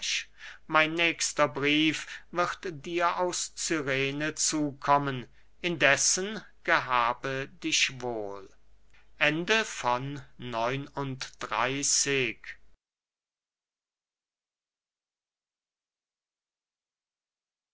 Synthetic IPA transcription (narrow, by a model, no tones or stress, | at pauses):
maɪnːɛːkstɐbʁiːfvɪʁtd̥iːɐʔaʊst͡syʁeːnət͡suːkʰɔmən | ʔɪndɛsən | ɡ̥əɦaːbədɪʃvoːlʔɛndəfɔnːɔʏnʊntd̥ʁa̰ɪsɪk